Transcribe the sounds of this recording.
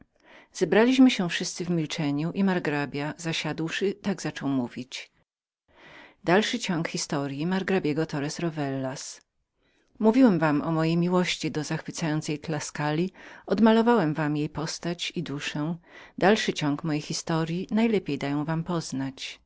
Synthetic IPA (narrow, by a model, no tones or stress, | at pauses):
z̥ɛbɾalʲiɕmɘɕɛfʂɘst̪sɘvmʲilt͡ʂɛɲuʔimaɾɡɾabʲjazaɕad̪wʂɘt̪aɡzat͡ʂɔwmuvʲit͡ɕ | d̪alʂɘt͡ɕɔŋkxʲist̪ɔɾjimaɾɡɾabʲjɛɡɔt̪ɔɾɛsɾɔvɛlːas | muvʲiwɛmvamɔmɔjejmʲiwɔɕt͡ɕid̪ɔzaxfɘt̪sajɔnt̪sɛjt̪laskalʲiɔd̪malɔvawɛmvamjejpɔst̪at͡ɕid̪uʂɛd̪alʂɘt͡ɕɔŋkmɔjejxʲist̪ɔɾʲjinajlɛpʲjejd̪ajɔ̃w̃vampɔznat͡ɕ